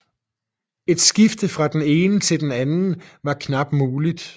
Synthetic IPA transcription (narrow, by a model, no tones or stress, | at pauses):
e̝d̥sɡ̥ifd̥əfʁɑ̈d̥ene̝ːnət͡sʰe̝ld̥enænn̩ʋɑ̈kʰnɑ̈b̥̚muːlid̥